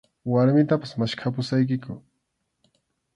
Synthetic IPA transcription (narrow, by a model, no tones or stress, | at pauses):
waɾmɪt̪apḁsmaʃkʰap̬ʊsajk̬ɪkʊ